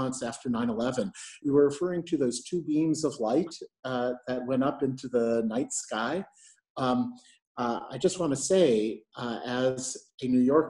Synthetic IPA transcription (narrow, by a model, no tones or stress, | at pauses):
ə̃ntsæftə˞nãɪ̃nəlɛvɨ̃njɨwə˞ɹɨfɜ˞ɪ̃ŋtʰɨðoʊz̥tʰʉbĩmzʌvlaɪt̪̚ðɨt̚wɛ̃ɾ̃ʌpɪ̃ntʰʉðənaɪtskaɪ | a̰ɪd͡ʒʌst̚wɑ̃nɨseɪ | ɨzɨnʉjɔɹk